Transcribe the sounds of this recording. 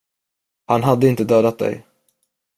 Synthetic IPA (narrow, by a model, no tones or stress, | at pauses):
hanɦad̪ːəɪnt̪əd̪øːd̪at̪̚d̪ɛ̰j